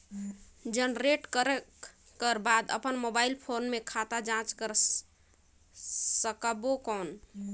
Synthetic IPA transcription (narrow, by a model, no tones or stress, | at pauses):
d͡ʒənɾeʈkəɾə | kəɾbad̪ə̰pənmobailpʰonmekʰat̪ad͡ʒãt͡ʃkəɾ | səkəbokɔn